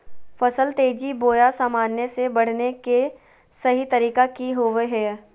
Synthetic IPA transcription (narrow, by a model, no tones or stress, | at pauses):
fɐsəlt̪eːd͡ʒiboːjasaːmaːnjəsebɐɽ̤neke | sɐɦit̪ɐɾiːkakiɦoʋeɦɛː